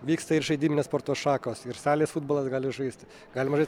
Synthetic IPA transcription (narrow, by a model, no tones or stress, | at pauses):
ʋʲiːkst̪ɐɪɾʒɐɪd̪ʲiːmʲɪnʲeːspoːɾt̪oːʃɑːkoːsɪɾsɑːlʲesfʊːd̪boːlˠɐsɡɑːlʲɪʒɐɪsʲt̪ʲ | ɡɑːlʲɪmɐʒɐɪ